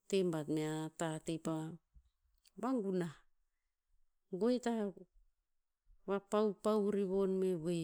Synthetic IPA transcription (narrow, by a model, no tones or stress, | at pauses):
tembatmeatatepa | βaŋɡuna | ɡoeta | βapawpawɾiβo̞nmeβe